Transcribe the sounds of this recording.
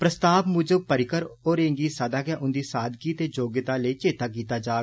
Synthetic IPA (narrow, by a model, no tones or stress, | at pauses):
pɾəst̪aːbmʊ̃d͡ʒõːpəɾɪkəɾoːɾẽːŋɡiːsəd̪aːkjaːʔʊnd̪iːsaːd̪kiːt̪eːd͡ʒoːɡət̪aːləiːt͡ʃeːt̪aːkiːt̪aːd͡ʒaː